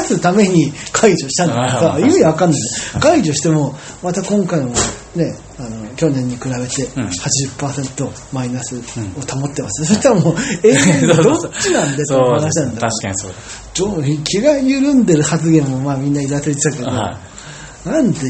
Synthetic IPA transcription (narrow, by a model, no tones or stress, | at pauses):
asɨt̪ame̞ɲ̟ikʰaiʑo̞ɕi̥t̪ãnːoɡasaimʲiβakãnːakaiʑo̞ɕi̥t̪e̞mo̞ | mat̪akõ̞ŋkaimo | ne̞ | ano̞kʲo̞nẽ̞ɲ̟ːikɯ̟ɾaβe̞t̪e̞hat͡ɕiʑɨpːaːsẽ̞nt̪o̞ | mainasɨo̞t̪amo̞t̪ːe̞masɨneso̞ɕi̥t̪aɾamoːe̞ːɡad̪o̞t͡ɕːinãnd̪e̞t̪oanaɕit̪ãnd̪a | t͡ɕoikʲʰiɡajɯ̟ɾɯ̟̃nd̪e̞ɾɯ̟hat͡sɨɡẽ̞mːo̞maːmʲĩnːaiɾaseɾit̪t̪aked̪o | nãnt̪e